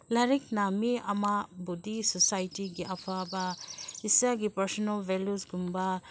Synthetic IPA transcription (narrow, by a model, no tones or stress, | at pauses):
laɾik̚namiɐmabudisɔsajtiɡiʔapʰabɐisaɡipɐɾsɔnalbʱeljusɡumba